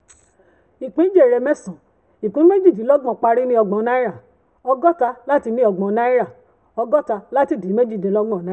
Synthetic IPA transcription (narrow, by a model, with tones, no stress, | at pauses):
i˨k͡pĩ˦d͡ʒe˦˨ɾɛ˧mɛ˦sɔ̃˨ | i˨kũ˨˦me˦d͡ʒi˦˨d͡ʒi˨˦lɔ˦ɡ͡bɔ̃˦˨k͡pa˧ɾi˦nĩ˦ɔ˧ɡ͡bɔ̃˧nã˦i˦ɾa˦˨ | ɔ˧ɡɔ˦ta˧la˦ti˧nĩ˦ɔ˧ɡ͡bɔ̃˨˧nã˦i˦ɾa˦˨ | ɔ˧ɡɔ˦ta˧la˦ti˦˨di˨˦me˦d͡ʒi˦˨dẽ˨˦lɔ˦ɡ͡bɔ̃˦˨nã˦